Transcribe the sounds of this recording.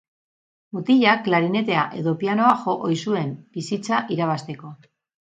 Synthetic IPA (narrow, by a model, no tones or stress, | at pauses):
ut̪iʎakːlaɾine̞t̪e̞aʔe̞ðo̞piano̞axo̞ʔojsue̞mb̥isit͡saʔiɾaβ̞ast̪e̞ko̞